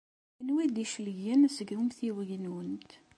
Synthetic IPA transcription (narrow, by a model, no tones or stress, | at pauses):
ənwid̪iʃləʝænsəɡumθiwəʝənwənt̪